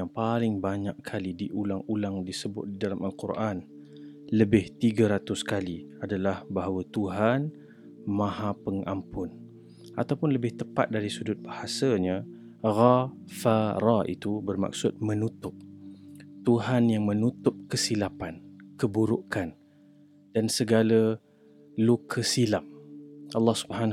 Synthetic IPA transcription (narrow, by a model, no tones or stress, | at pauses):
jaŋpalɪŋbaɲakkʰalidiʔulaŋulaŋdisəbʊ̰t̪̚didalamalkurʔan | ləbɪht̪iɡaɾat̪ʊskaliadalahbaɦawat̪uɦan | mãhapəŋampʊn | ʔat̪awpʊnləbɪht̪əpa̰t̪̚daɾisudʊt̪̚bahasaɲa | ɣa | faɾaḭt̪ubərma̰k̚sʊt̪̚mənut̪ʊp̚ | t̪uɦanjaŋmənut̪ʊp̚kəsilapankəbuɾʊʔkan | d̥ansəɡalə | lukʰəsilap̚ʔɑlːɑhsu̥bhan